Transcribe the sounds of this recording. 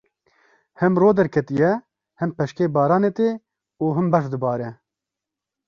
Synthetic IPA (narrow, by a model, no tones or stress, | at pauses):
hɛmroːd̪ɛɾkʰɛt̪ijɛ | hɛmpɛʃkeːbɑːɾɑːneːt̪eː | uːɦɨmbɑʃd̪ɨbɑːɾɛ